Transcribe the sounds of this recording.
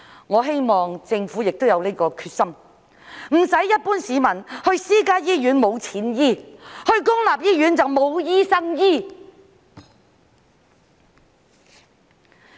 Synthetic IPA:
ŋɔː˨˧ɦe˥jmɔː˨ŋt͡sɪ˧ŋfuː˨˥jɪ˨k̚t̪o˥wjɐ˨˧wle˥kɔː˧kʰyː˧t̚sɐ˥m | m̩˨˩sɐ˨˥jːɐ˥t̚puː˥nsiː˨mɐ˨˩nhɵ˧ɥsiː˥kaː˥jiː˥jyː˨˥nmo˨˧wt͡sʰiː˨˥njiː˥˩hɵ˧ɥkʊ˥ŋlaː˨p̚jiː˥jyː˨˥nt͡sɐ˨wmo˨˧wjiː˥sɐ˥ŋjiː˥

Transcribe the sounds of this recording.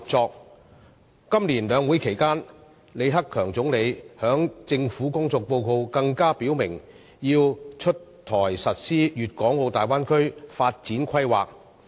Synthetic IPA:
p̚t͡sɔː˧k̚ | kɐ˥mliː˨˩nlœː˨˧ŋwuː˨˥jkʰe˨˩jkaː˥n | le˨˧jɦɐ˥kʰːœː˨˩ŋt͡sʊ˨˥ŋle˨˧jhœː˨˥ŋt͡sɪ˧ŋfuː˨˥kʊ˥ŋt͡sɔː˧k̚po˧wko˧wkɐ˧ŋkaː˥piː˨˥wmɪ˨˩ŋ | jiː˧wt͡ʃʰɵ˥tt̪ʰːɔː˨˩jsɐ˨t̚siː˥jyː˨t̚kɔː˨˥ŋwo˧wt̪aː˨jwaː˥nkʰɵ˥ɥfaː˧t̚t͡siː˨˥nkʰɐ˥jwa̰ː˨k̚

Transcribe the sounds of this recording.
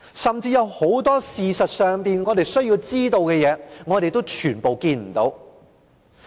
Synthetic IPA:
sɐ˨mt͡siː˧jɐ˨˧who˨˥wt̪ɔː˥siː˨sɐ˨t̚sœː˨ŋpiː˨nŋɔː˨˧t̪e˨˩jsɵ˥ɥjiː˧wt͡siː˥t̪o˧wkɛː˧jɛː˨˧ŋɔː˨˧ɾe˨jt̪o˥wt͡ʃʰyː˨˩npo˨˧wkiː˧nm̩˨˩t̪o˨˧˥w

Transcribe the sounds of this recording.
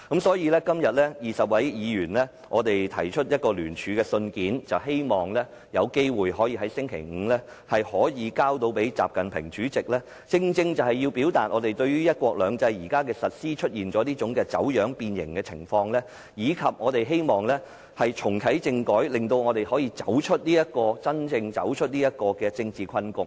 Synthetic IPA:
kɐ˨˥msɔː˨˥jiː˨˧lɛː˥kɐ˥mjɐ˨t̚lɛː˥jiː˨˩sɐ˨p̚wɐ˨˥jjiː˨˧jyː˨˩nlɛː˥ | ŋɔː˨˧t̪e˨jt̪ʰɐ˨˩jt͡ʃʰɵ˥t̚jɐ˥t̚kɔː˧lyː˨˩nt͡ʃʰyː˨˧kɛː˧sɵ˧nkiː˨˥nt͡sɐ˨wɦe˥jmɔː˨ŋlɛː˥ | jɐ˨˧wke˥jwuː˨jɦɔː˨˥jiː˧ɦɐ˨˥jsɪ˥ŋkʰe˨˩jŋ̩ː˨˧lɛː˥ | hɐ˨jhɔː˨˥jiː˨˧kaː˥wt̪o˧wpe˨˥jt͡sa̰ː˨p̚kɐ˨npʰɪ̰˨˩ŋt͡ʃyː˨˥t͡sɪ˨k̚lɛː˥ | t͡sɪ˧ŋt͡sɪ˧ŋt͡sɐ˨˩whɐ˨˩jiː˧wpiː˨˥wt̪aː˨t̚ʔŋɔː˨˧t̪e˨jt̪ɵ˧ɥyː˥jɐ˥t̚kʷwɔː˧k̚lœː˨˧ŋt͡sɐ˧˥jjiː˨˩kaː˥kɛː˧sɐ˨t̚siː˥t͡ʃʰɵ˥t̚jiː˨nt͡sɔː˨˥niː˥t͡ʃʊ˨˧˥ŋkɛː˧t͡sɐ˨˥wjœː˨˥ŋpiː˧njɪ̰˨˩ŋkɛː˧t͡sʰɪ̰˨˩ŋfɔː˧ŋlɛː˥ | jiː˨˧kʰɐ˨p̚ŋɔː˨˧t̪e˨jɦe˥jmɔː˨˩ŋlɛː˥ | hɐ˨jt͡ʃʰʊ˨˩ŋk̪ʰɐ˨˥jt͡sɪ˧ŋkɔː˨˥jlɪ˨ŋt̪o˧wŋɔː˨˧t̪e˨jhɔː˨˥jiː˧t͡sɐ˨˥wt͡ʃʰɵ˥t̚liː˥jɐ˥t̚kɔː˧t͡sɐ˥nt͡sɪ˧ŋt͡sɐ̰˨˥wt͡ʃʰɵ˥t̚niː˥jɐ˥t̚kɔː˧kɛː˧t͡sɪ˧ŋt͡siː˨kʰɐ˥nkʊ˨˩ŋ

